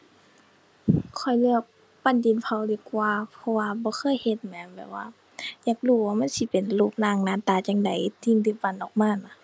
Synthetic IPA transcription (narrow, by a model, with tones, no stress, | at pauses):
kʰɔ˧˩jlɯ˧˩ək̚ | pa˧˥˨ndi˨npʰa˧˩wdi˧˩kwaː˧pʰɔ˧waː˧bɔː˧˦xʰɤː˧˥˨jhe˧˦t̪̚mɛː˨˦nbɛ̰ː˨˩p̚wa̰ː˧ | jaː˧˩k̚luː˧˩waː˧ma˧˥˨nsi˧˦pe˨nluː˧˩p̚naː˧˩ŋnaː˧˨nt̪aː˧˩t͡ɕa˧ŋda˨˦jt̪iː˧˩nd̪iː˧˩pa˧˨nʔɔː˨˩k̚maː˧˥˨nɔ˧˦